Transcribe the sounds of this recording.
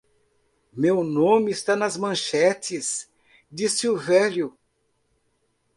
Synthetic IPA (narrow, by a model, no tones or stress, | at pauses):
mewnõmɪːst̪anɐzmɐ̃ʃɛt͡ʃ̪ɪs | d̪isiʊvɛʎjʊ